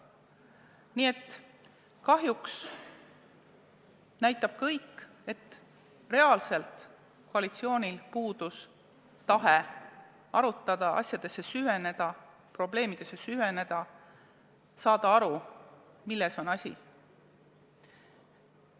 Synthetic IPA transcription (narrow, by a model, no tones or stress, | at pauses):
niːe̞t̪ː | kɑɦjuks | næjt̪ːˑɑb̥̚kɤjkː | e̞t̪ː | re̞ɑːlse̞lt̪ | koɑlit̪sio̞ːnʲilpuːd̪̥us | t̪ɑɦe | ɑɾut̪ˑːɑd̪̥ɑʔɑ̰sjɑd̪̥e̞sːe̞syve̞ne̞d̪̥ɑ | pro̞ble̞ːmid̪̥e̞sːe̞syve̞ne̞d̪̥ɑ | sɑːd̪̥ɑɑɾu | milːeso̞nɑsʲḭ